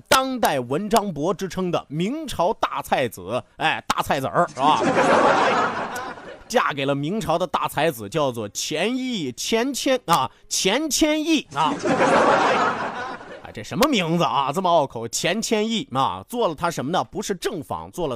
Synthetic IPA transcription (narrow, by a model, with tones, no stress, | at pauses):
t̪ɑ˥ŋt̪a˥˩ɪwə˧˥nʈ͡ʂɑ˥ŋpwɔ˧˥ʈ͡ʂɻ̩˥ʈ͡ʂʰɤ˥ŋd̪ə̰˨mi˧˥ŋʈ͡ʂʰɑ˧˥ʊt̪a˥˧t͡sʰa˥˩ɪt͡sɹ̩˨˩˦a˧ɪt̪a̰˥˧t͡sʰa˥˩ɪt͡sə̰˞˨˧˥ | t͡ɕja̰˥˩ke˨˩ɪlə˦mi˧˥ŋʈ͡ʂʰɑ˧˥ʊd̪ə˧t̪a̰˥˩t͡sʰa˧˥ɪd͡zɹ̩˨˩t͡ɕjɑ˥˧ʊt͡swɔ˥˩t͡ɕʰjɛ˧˥ni˥˩t͡ɕʰjɛ˥nt͡ɕʰjɛ˥nɐ˥˩ | t͡ɕʰjɛ˧˥nt͡ɕʰjɛ˥ni˥˩ɐ˧˩˥ | a̰˧˩ʈ͡ʂɤ˥˩ʂə˧˥nmə˧mi˧˥ŋd͡z̩˧ʔɐ˧t͡sə˥˩mə˧ɑ˥˩ʊkʰo˨˩ʊt͡ɕʰjɛ˧˥nt͡ɕʰjɛ˥ni˥˩ɐ̰˧˩t͡swɔ˥˩lə˩t̪ʰa˥ʂə˧˥nmə˧nə˨pu˧˥ʂɻ̩˥˧ʈ͡ʂɤ˥˩ŋfɑ̰˨˩˦ŋt͡swɔ˥˩lə˩